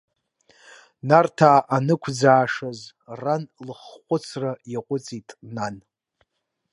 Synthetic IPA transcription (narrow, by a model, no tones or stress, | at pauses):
nartʰaːʔanɨkʷʰd͡zaːʂaz | ranlɨχχʷʼʊt͡sʰrajaqʷʼʊt͡sʼitʼnan